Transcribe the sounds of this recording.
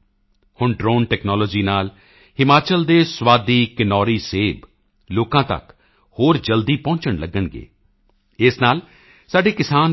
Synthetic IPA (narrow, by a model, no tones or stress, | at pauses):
hʊɳɖɾoːnʈɛːknɔːlɔːd͡ʒiːnaːl | hɪmaːt͡ʃəld̪eːswaːd̪iːkɪnɔːɾiːseːb | loːkãːt̪ə̰k | hoːɾd͡ʒəld̪iːpɔ̃ːɲt͡ʃəɳləɡəɳɡḛː | ɪsnaːl | saːɖeːkɪsaːn